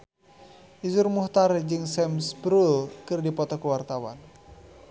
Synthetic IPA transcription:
ʔizurmuht̪ard͡ʒɨŋsɛmsbɾulkɨrdipɔt̪ɔkuwart̪awan

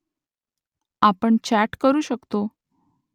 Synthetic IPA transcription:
apəɳt͡ɕæʈkəɾuːɕəkt̪o

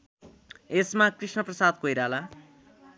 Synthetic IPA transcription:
esmakrisnʌprʌsad̪̚kojɾala

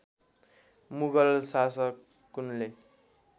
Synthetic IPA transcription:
muβalsasʌkː | kːunle

